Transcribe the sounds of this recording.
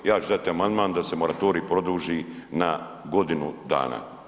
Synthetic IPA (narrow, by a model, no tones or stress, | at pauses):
jaːt͡ʃud̪at̪iamand̪maːnd̪ase̞mo̞ɾat̪o̞ːɾiːpɾo̞d̪uːʒiːna | ɡo̞d̪inud̪a̰ːna̰ː